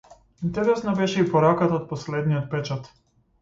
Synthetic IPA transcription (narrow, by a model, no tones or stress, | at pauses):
int̪ɛɾɛsnɔbɛʃɛipɔɾakat̪aot̪̚pɔslɛd̪nijɔt̪̚pɛt͡ʃat̪